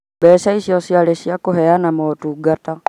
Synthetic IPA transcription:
bɛːʃaiʃiɔsialɛʃiakuɦɛanamɔtuɡata

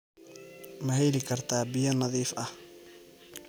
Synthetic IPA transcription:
mɐɦɛjlɪkʰɐrt̪ʰaːbɪjɐnɐðiːfɐh

